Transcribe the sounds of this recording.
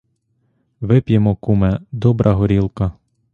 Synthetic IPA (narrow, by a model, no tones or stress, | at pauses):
ʋɪpjemɔkumɛd̪ɔbɾʔɐɦɔɾʲilˠkɐ